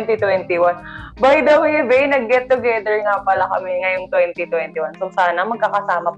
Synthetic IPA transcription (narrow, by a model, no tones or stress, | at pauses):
nt̪it̪wɛnt̪ɪwanbaɪd̪ɐwhɪbɛjnɐɡːɛt̪ːʊɡɛd̪ɛɹŋapɐlakɐmɛŋɐjoŋt̪wɛnt̪it̪wɛnt̪ɪwansosaːnɐmɐɡ̚kɐkɐsaːmɐ